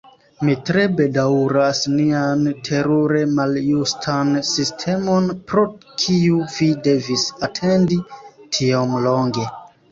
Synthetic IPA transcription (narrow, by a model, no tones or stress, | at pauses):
mitɾe̞be̞dawɾasniantʰe̞ɾuɾe̞maljustʰansistʰe̞mo̞npɾo̞ | kʰiuvide̞visatʰe̞nditʰiomlo̞ŋɡe̞